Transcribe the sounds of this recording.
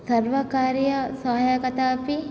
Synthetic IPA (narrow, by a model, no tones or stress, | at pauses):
sɐɾʋɐkaːɾjɐsɐɦajɐkɐt̪aːpi